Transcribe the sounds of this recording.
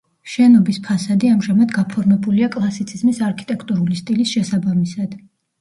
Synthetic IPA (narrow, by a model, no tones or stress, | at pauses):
ʃɛnɔbispʰasad̪iamʒamad̪ɡapʰɔɾmɛbuliakʼlˠasit̪sʰizmisaɾkʰi̥t̪ʼɛkʰt̪ʼuɾulist̪ʼilisʃɛsabamisad̪̥